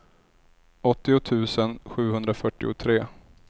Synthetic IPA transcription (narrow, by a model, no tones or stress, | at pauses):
ʔɔt̪ːɪʊt̪ʰʉ̟ːsənɧʉ̟ːɦɵnd̪ɾafœʈːɪ̰ʊ̰t̪ʰɾeː